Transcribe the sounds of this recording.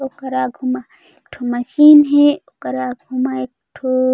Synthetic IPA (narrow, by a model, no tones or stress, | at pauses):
okɐɾaːɡʱuma | eʈʰomɐʃiːnɦeokɐɾaːɡʱumaekʈʰo